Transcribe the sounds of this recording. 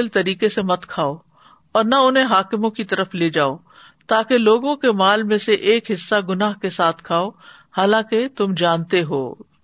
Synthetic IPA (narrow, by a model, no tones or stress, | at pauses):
ɪlt̪ɐɾiːkesemɐt̪kʰaːo | ɔːɾnɐʊnɦẽɦaːkɪmõkit̪ɐɾəfleːd͡ʒaːo | t̪aːkeloːɡõkemaːlmẽseʔeːkɦɪsːaɡʊnaːɦkesaːt̪ʰkʰaːo | haːlãːket̪ʊmd͡ʒaːnt̪eɦo̰ː